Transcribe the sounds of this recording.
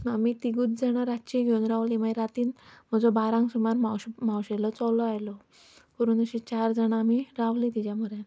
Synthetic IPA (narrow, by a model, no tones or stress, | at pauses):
amit̪iɡuːt̪̚d͡zaɽ̃aɾat̪t͡ɕiɡʱeunɾaʋlimajɾat̪iːnm̤əd͡zobaɾãŋɡsumaɾmawɕm̤awɕelɔt͡sɔlɔajlɔ | pɔɾuːnəɕet͡ɕaɾd͡zaɽ̃aːmiɾaʋlĩt̪id͡ʑjamuɾẽn